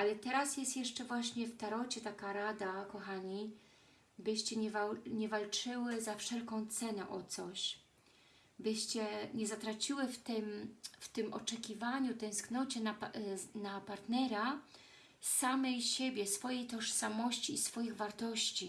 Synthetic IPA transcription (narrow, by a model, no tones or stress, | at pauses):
ʔalɛt̪ɛɾasjɛst̪jɛʂt͡ʂɛvwaɕɲɛft̪aɾɔt͡ɕɛt̪akaɾad̪akɔxaɲi | bɘɕt͡ɕɛɲɛvaɲɛvalt͡ʂɘwɘzafʂɛlkɔ̃w̃t̪sɛnɛʔɔt̪sɔɕ | bɘɕt͡ɕɛɲɛzat̪ɾat͡ɕiwɘft̪ɘmft̪ɘmɔ̰t͡ʂɛkʲivaɲut̪ɛ̃w̃sknɔt͡ɕɛnanapaɾt̪nɛɾa | samɛjɕɛbʲjɛsfɔjejt̪ɔʂsamɔɕt͡ɕiːsfɔjiɣvaɾt̪ɔɕt͡ɕi